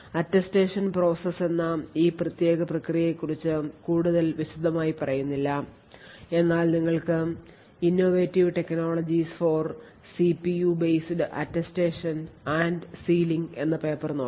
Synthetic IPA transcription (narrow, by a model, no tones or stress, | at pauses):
ɐtːɐsʈeːʂɐnpro̞ːsɐse̞nːɐiːprɐt̪je̞ːɡɐprɐkrijɐjekːurit͡ɕːɨkuːɽuðɐlʋiɕud̪ʱːɐmaːjipɐrɐjunːilːɐ | e̞nːaːlniŋːɐɭkɨ | inːo̞ːʋeːtːiʋʈe̞kno̞ːɭɐd͡ʑisfor | sipijuːbejsɖɨʔɐ̰tːɐsʈe̞ːʂɐnaɳɖsiːliŋɡe̞̰nːɐpeːpːɐrnoː